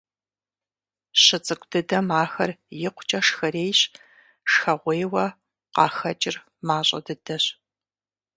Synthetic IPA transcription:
ɕɨt͡sʼɨkʷʰʼdɨdɐmaːxɐrjɪqʷʰʊ̥t͡ʃʼɐʂxɐɾeːjɕ | ʂxɐʁʷejwɐ | qɑːxɐt͡ʃʼɪr | maːɕʼɐ̰dɨdɐɕ

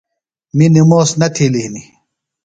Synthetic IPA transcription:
minimoːsnɐt̪ʰiliɦni

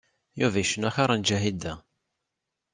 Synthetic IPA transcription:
juvæjʃənæçaɾˤɑnd͡ʒæɦid̪æ

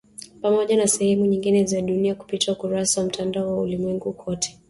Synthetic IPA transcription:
pamɔʄanasɛhɛmuɲiŋɡinɛzaɗuniaku̥pitiaukuɾasawam̩tandaɔwaṵlimwɛŋɡukʰɔtʰɛ̥

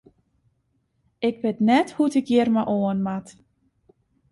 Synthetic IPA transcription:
ɪk̚bɪtnɛthutɪkjɪərmaʔoənmat

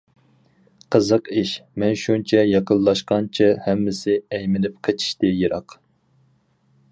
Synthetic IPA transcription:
qʰəzəqiʃmɛnʃunt͡ʃʰɛjɑqʰəlˠlˠɑʃqɑnt͡ʃʰihɛmːɪsɪɛjmɪnɪp̚qʰet͡ʃʰi̥ʃt̪ɪjiɾɑq

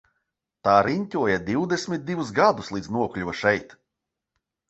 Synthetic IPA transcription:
t̪aːɾinʲt̪ʲuɔjad̪iwd̪esʲmʲit̪̚d̪ivuzɡad̪uslˠiːd̪znuɔklʲuvɐʃɛjt̪

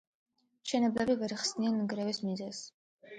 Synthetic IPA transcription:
ʃɛnɛblɛbivɛɾχsnianːɡɾɛvismizɛz

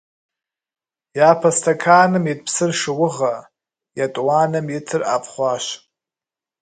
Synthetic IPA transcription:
jaːpʰastʰakʰaːnɨmit̚ʼpʰsɨrʂɨwʊʁa | jatʼwanɨmjitʰɨra̰pʰχʷaʃʷ

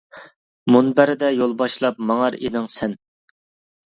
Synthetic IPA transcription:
munbæɾɪd̪ɛjolˠbɑʃlˠɑp̚mɑŋɑɾenɪŋsɛn

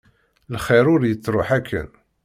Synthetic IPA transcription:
lχiɾʊɾjət͡sːɾˤoħækʰːə̰n

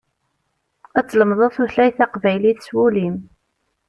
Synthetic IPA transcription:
æt͡sːləmðˤɑθuɬæjθæqvæjliθswulim

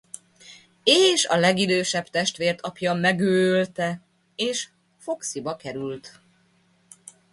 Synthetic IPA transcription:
eːʃɒlɛɡid̪øːʃɛbt̪ɛʃt̪ʋeːrt̪ʰɒpjɒmɛɡøːølt̪ɛ | eːʃ | fo̞ksibɒkɛɾylt̪

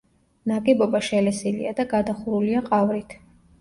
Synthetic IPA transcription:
nakʼɛbɔbaʃɛlɛsilḭad̪aɡad̪aχuɾuliaqʼavɾit̪ʰ

